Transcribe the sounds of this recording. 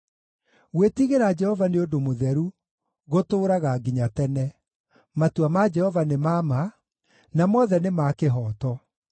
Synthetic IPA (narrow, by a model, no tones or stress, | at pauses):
ɣwetiɣeɾad͡ʒɛhɔvaneodomoðɛɾu | ɣotoːɾaɣaɡiɲatɛnɛ | matuamad͡ʒɛhɔvanemama | namɔːðɛnemaːkeɦɔːtɔ